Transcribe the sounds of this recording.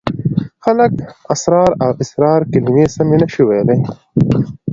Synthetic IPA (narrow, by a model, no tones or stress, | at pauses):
xɐlɐkɐsɾɑːɾaːwʔisɾɑːɾkilimeːsɐminɐʃuweːdeː